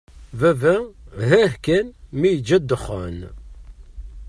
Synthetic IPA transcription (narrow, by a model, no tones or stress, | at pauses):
vævæɦæhkænmijd͡ʒæd̪əχə̰n